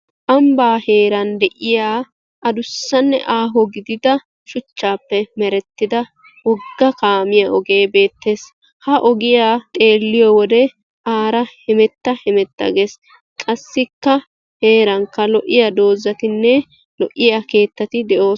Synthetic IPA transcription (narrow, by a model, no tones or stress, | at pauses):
ʔɐmbaːhe̞ːɾɐnd̪ɛʔɪjaː | ʔɐd̪ʊsːɐnːɛ̰ʔaːɦɔɡɪd̪ɪd̪ɐ | ʃʊt͡ʃːaːpːɛmɛɾɛt̪ːɪd̪ɐ | wɔɡːɐkaːmɪjaʔɔɡe̞ːbe̞ːt̪ːe̞ːs | hɐʔɔɡɪjaːt̪ʼe̞ːlːɪjɔwɔd̪ɛ | ʔaːɾɐhɛmɛt̪ːɐhɛmɛt̪ːɐ̰ɡeːs | kʼɐsːɪkːɐ | he̞ːɾɐŋkːɐlɔʔɪjad̪o̞ːzːɐt̪ɪnːɛ | lɔʔɪjake̞ːt̪ːɐt̪ɪd̪ɛʔo̞ːs